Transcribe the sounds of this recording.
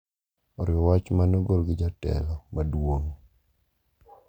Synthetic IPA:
ɔɾjɔwat͡ʃmanoɡoɾɡɪd͡ʒatɛ̰lɔmadwoŋ

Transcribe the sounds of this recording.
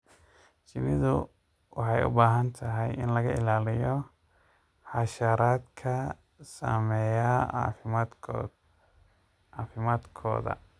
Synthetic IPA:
t͡ʃɪnɪðʊ | wɑħɑjʊ̰baːɦɐnt̪ʰɐɦɛjʔɪnlɐɣɐɪlaːlɪjɔ | ħɑʃɐɾaːd̪kʰɐ | sa̰ːmɛja | aːfɪmaːd̪kʰɔ̰ːðɐ̰

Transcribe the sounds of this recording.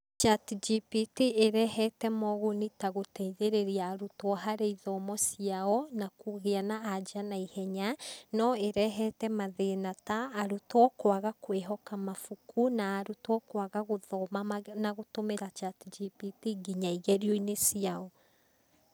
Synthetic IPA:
t͡ʃatd͡ʒipitieɾɛhɛtɛmɔɣonitaɣotɛiðeɾeɾiaːɾutɔɦaɾeiðɔmɔsiaɔnakuɣeanaad͡ʒanaihɛɲanɔeɾɛɦɛtɛmaðenataːɾutɔkwaɣakweɦɔkamafukunaːɾutɔkwaɣaɣoðɔmanaɣotomeɾat͡ʃatid͡ʒipitiɡiɲaiɣɛɾioinesiaɔ

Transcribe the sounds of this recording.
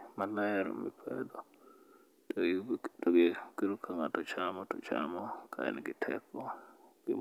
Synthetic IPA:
malajɛɾɔ̰mipʰɛd̪ɔ | tɔjdɔɡkiɾukʰːaŋatɔt͡ʃamɔtɔt͡ʃa̰mɔkʰa̰ɛ̰niɡitʰɛ̰kːɔkḭ

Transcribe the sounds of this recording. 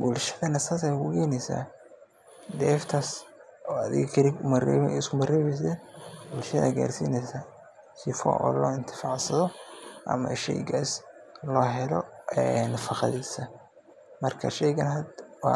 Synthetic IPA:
bʊlʃɐðɐnɐsaːsakʊkʰɛːnɛsa̰ː | d̪ɛːft̪ʰɐsɔːɐðɪ̰ɣkʰɐɾɪɡʊmɐrɛ̰ɛ̰ɪskʰʊmɐrɛːβɛs̬ɛːnbʊlʃɐðɐ̰ːɡa̰ːrsḭːnɛsa | ʃɪfɔ̰ʔɔ̰ːlɔːɪnt̪ʰɪ̥faʕsɐðɔʔɐ̰mɐ̰ʃɛ̰jɡaslɔːɦɛlɔɛnfɑqɑ̰ðiːsɐ | mɐrkʰɐ̰ʃɛjɣɐnɦɐd̪wɑ̰

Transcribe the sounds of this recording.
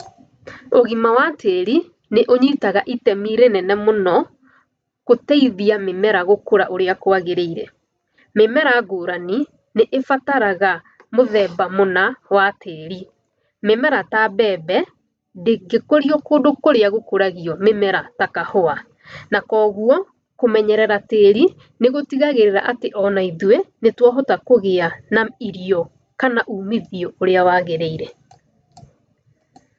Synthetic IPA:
oɣimawateɾi | neʔoɲitaɣaʔitɛmiɾenɛnɛmonɔ | kotɛiðiamemɛɾaɣokoɾaʔoɾeakoaɣeɾeiɾɛ | memɛɾaɡoɾani | neʔefataɾaɣa | moðɛbamonawatʰeːɾi | memɛɾatabɛːbɛ | deɡekoɾiɔkoːdokoɾeaɣokoɾaɣiɔmemɛɾatakahoa | nakɔɣuɔ | komɛɲɛɾɛɾateːɾi | neɣotiɣaɣeɾeɾa̰ʔateʔɔnaiðuwɛnetwaɦotakoɣeanaiɾiɔ | kanaʔuːmiðiɔoɾeawaːɣeɾeiɾɛ

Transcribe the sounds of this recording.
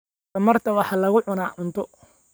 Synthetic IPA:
ɐmɐrt̪ʰɐwɑħɑːlɐɣʊʕʊnaːʕʊnt̪ʰɔ

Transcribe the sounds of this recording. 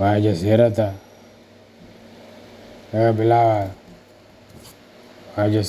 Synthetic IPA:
wad͡ʒaseɾat̪a | aabilawa | wad͡ʒa

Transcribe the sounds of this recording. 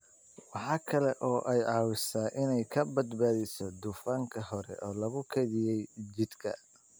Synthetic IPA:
wɑħɑːkʰɐlɛʔɔːʔɛjʕɑːwɪsaːʔɪnɛjkʰɐbɐd̪baːðɪsɔd̪ʊfaːŋkʰɐɦɔɾɛ̰ʔɔːlɐɣʊkʰɛðɪjɛjd͡ʒɪd̪kʰɐ̰

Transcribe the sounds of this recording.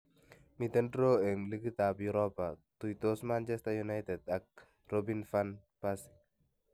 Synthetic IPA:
mit̪ɛndɾoɛmlikit̪abjuɾɔpat̪ujt̪osmant͡ʃɛstajunajtɛdak̚ | robinfan | pas

